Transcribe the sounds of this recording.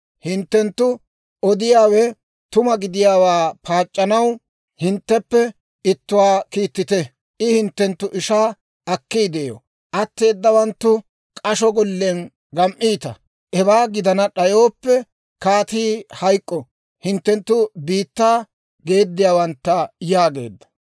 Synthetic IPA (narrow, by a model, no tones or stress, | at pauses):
hɪnt̪ːɛnt̪ːʊ | ʔɔd̪ɪjaːwɛ | t̪ʊmɐɡɪd̪ɪjaːwaːpaːt͡ʃʼːɐnɐw | hɪnt̪ːɛpːɛ | ɪt̪ːʊwaːkiːt̪ːɪt̪ɛ | ʔɪhɪnt̪ːɛnt̪ːʊʔɪʃaː | ɐkːijd̪eːjo̰ | ʔɐt̪ːe̞ːd̪ːɐwɐnt̪ːʊ | kʼɐʃɔɡɔlːen | ɡɐmʔiːt̪ɐ | ʔɛbaːɡɪd̪ɐnɐɗɐjoːpːɛ | kaːt̪iːhɐjkʼːɔ | hɪnt̪ːɛnt̪ːʊbiːt̪ːaː | ɡe̞ːd̪ːɪjaːwɐnt̪ːɐjaːɡe̞̰ːd̪ːɐ̥